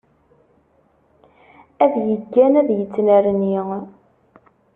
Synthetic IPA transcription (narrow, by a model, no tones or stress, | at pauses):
æðjəɡːænæðjət͡sːnæɾəni